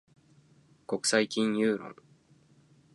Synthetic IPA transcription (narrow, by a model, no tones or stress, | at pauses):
ko̞kɯ̟̥saikʲĩɲ̃jɯːɾõ̰ŋ